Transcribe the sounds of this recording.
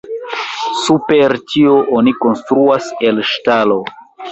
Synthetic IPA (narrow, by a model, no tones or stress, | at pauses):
supe̞ɾtʰio̞ʔoniko̞nstɾuase̞lʃtalo̞